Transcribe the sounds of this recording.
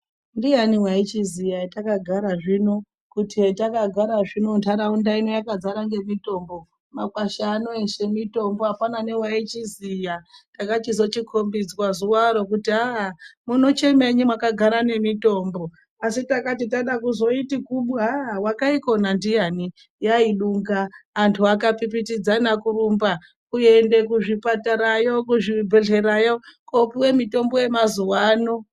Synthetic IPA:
ndijaniwait͡ʃizijatakaɡʱaɾaʐino̞ | kutitakaɡʱaɾaʐino̞ntaɾaundainojakad͡zaɾaŋɡe̞mito̞mbo̞ | makwaʃaːnoeʃe̞mito̞mboapanane̞wait͡ʃizijatakat͡ʃizo̞t͡ʃikʰombid͡zkwazuwaɾo̞kutiamuno̞t͡ʃe̞me̞ɲimwakaɡʱaɾane̞mito̞ːmbo̞ | asitakatitaɗakuzo̞itikuɓawakaiko̞nandijani | jaiɗuŋɡaːntʰuakapip̬itid͡zanakurumba | kue̞nde̞kuʐipataɾajokuʐibʱeɮe̞ɾajokopiwe̞mito̞mbo̞je̞mazuwaːno

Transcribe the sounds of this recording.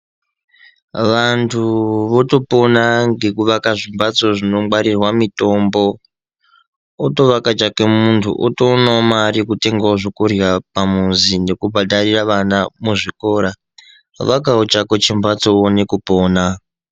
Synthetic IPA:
ʋantʰuʋo̞to̞po̞naŋɡe̞kuʋakaʐimbat͡so̞ʐino̞ɡ͡baɾirwamito̞mbo̞ | to̞ʋakat͡ʃakemuntʰṵʔo̰tonomaɾikute̞ŋɡaoʐokurjapamunzinekubʱadariraʋanamuʐiko̞ɾa | ʋakaot͡ʃakot͡ʃimbat͡so̞one̞kupoːna

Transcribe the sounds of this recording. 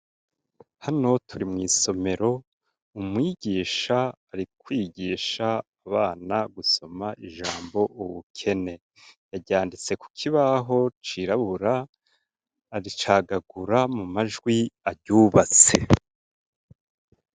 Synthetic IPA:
hano̞tʰuɾimŋiːso̞me̞ɾo̞ | umŋiːɟiːʃaːɾikwiːɟiːʃaː | βaːnaɡuso̞maʔiʒaːmbo̞ʔuβukʰe̞ne̞ | jaɟaːndit͡se̞ku̥kʰiβaɦo̞t͡ʃiɾaβuɾa | ɾit͡ʃaːɡaɡuɾamumaʒɡwiaɾɟuːβat͡se̞

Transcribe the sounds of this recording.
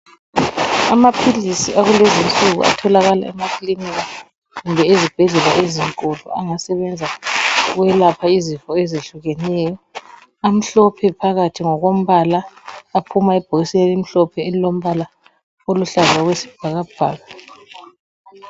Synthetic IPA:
amapʰilisiʔaɣulezint͡sʼuɣṵa̰tʰɔlaɣala̰ɛ̰makʰiliniɣa | ɣumbʱɛezib̥ʱɛɮɛlaʔeziŋkʼulṵaŋasɛβɛnd͡zʱaɣwɛlapʰaizifɔezeɬuɣɛnɛjɔ | am̩ɬɔpʰɛpʰaɣatʰiŋɔɣom̩βalaːpʰumaɛb̥ʱoɣislelim̩ɬɔpʰɛelilom̩βala | oluɬazaɣwesi̥b̥ʱaɣab̥ʱa̰ːɣa

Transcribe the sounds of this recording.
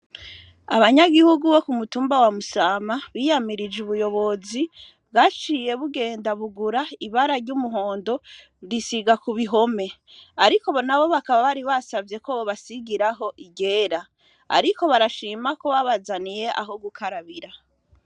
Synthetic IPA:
aβaɲaɡihuɡuβo̞kumutuːmbawamusaːmaβiːjamiɾid͡ʒuβujo̞βo̞zi | βɡat͡ʃiːje̞βuɡe̞ːndaβuɡuɾaiβaɾaɾɟumuɦo̞ːndo̞ | ɾisiɡakuβiɦo̞me̞ | aɾiko̞βo̞naβo̞βakaβaβaɾiβasavje̞koβoβasiɡiɾaɦo̞ʔiɡe̞ːɾa | a̰ɾiko̞βaɾaʃiːmako̞βaβazanije̞ʔa̰ɦo̞ɡukʰaɾaβiɾa

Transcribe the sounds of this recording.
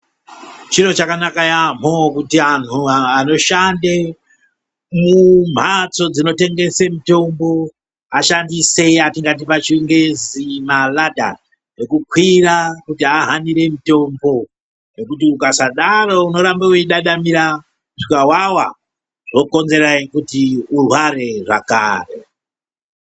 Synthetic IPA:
t͡ʃiɾo̞t͡ʃakanakajam̤okutianuano̞ʃande | mum̤at͡so̞d͡zino̞te̞ŋɡe̞se̞mito̞mbo̞ | aʃandise̞atiŋɡat̬ipat͡ʃiŋɡe̞zimalada̰ | nekukwirakutiaɦaniɾe̞mito̞mbo̞ | ne̞kut̬iukasaɗarouno̞ɾambeuiɗaɗamiɾa | ʐikawawa | ʐo̞ko̞nze̞ɾaikutiurwaɾe̞ʐa̰ka̰ːrḛ

